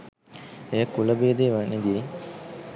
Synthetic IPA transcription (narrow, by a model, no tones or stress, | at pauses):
ejəkːuləbeːd̪eːʋaneɡ̪eː